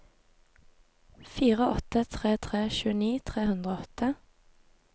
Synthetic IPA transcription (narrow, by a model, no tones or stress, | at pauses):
fiːʁəʔɔt̪ət̪ʰʁeːt̪ʰʁeːʃʉːəniːt̪ʰʁeːhʉnd̪ʁoːɔt̪ʰə